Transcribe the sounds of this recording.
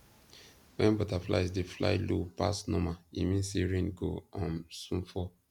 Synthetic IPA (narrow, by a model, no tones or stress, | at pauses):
wɛ̃nbɔtafla̰jsdefla̰jlupa̰snɔmaimĩnsiɹĩnɡoɔ̃nsũnfɔ